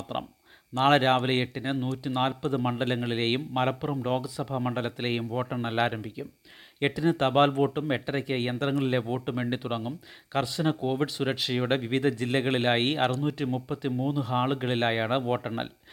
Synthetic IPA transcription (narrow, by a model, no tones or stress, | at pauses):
t̪rɐ̰m | naːɭɨɾaːʋileeʈːinɨnuːtːinaːlpɐðɨmɐɳɖɐlɐŋːɐɭile̞jumːɐlɐpːurɐmlo̞ːɡɐsɐbʱɐmɐɳɖɐlɐt̪ːile̞ːjumʋo̞ːʈːɐrnɐlaːɾɐmbʱikʲːum | e̞ʈːinɨt̪ɐbaːlʋo̞ːʈːume̞ʈːɐɾɐkʲːɐjend̪rɐŋːɐɭile̞ʋo̞ːʈːumʋe̞ɳɖit̪uɽɐŋːumkɐrɕɐnɐko̞ːʋiɖɨsuɾɐkʂɐjuɽe̞ʋiʋid̪ʱɐd͡ʑilːɐɣɐɭilaːjiɐrinuːtːimupːɐt̪ːimuːnːuɦaːɭuɣɐɭilaːjaːɳɨʋo̞ːʈːɐrɳnɐ̰l